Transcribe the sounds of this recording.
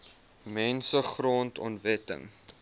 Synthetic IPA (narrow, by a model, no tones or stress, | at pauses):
mɛnsəχroːntʰɔ̰ntvɛtə̰ŋ